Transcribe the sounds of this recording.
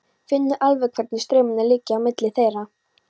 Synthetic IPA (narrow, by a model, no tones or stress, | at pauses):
fɪnːʏʔalvɛkʰvɛɾt̪nɪst̪ɾɛːmʏnːalɪːcːɪawmɪt̪lɪθejɾa